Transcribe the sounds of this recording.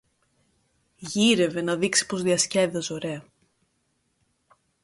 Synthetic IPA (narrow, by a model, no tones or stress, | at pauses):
ʝiɾe̞ve̞nɐðiksi̥po̞zðiɐsce̞ðezoɾe̞ɐ